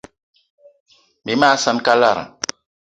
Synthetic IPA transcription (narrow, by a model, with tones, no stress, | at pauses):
mi˨˦maː˦sã˦n˦ka˦la˦˨ɾa̰˨